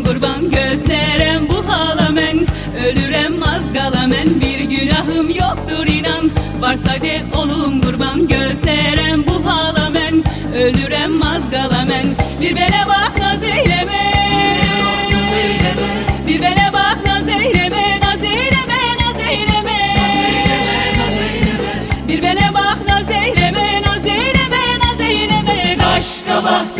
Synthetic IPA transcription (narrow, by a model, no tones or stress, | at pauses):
ɡuɾbanɟøzlʲɛɾæmbuɦalˠamæn | ølyɾæmːazɡalˠamænbiɾɟynaɦɯmjok̚t̪uɾinan | baɾsad̪ɛolˠumɡuɾbanɟøzlʲɛɾæmbuɦaːlˠamæn | ølyɾɛmːazɡalˠamænbiɾbenɛbaxnzejlʲɛmɛ | biɾbenɛbaxnazejlemɛnazejlemɛnazejlemɛ | biɾbenɛbaxnazejlemɛnazejlemɛnazejlemɛaʃkaba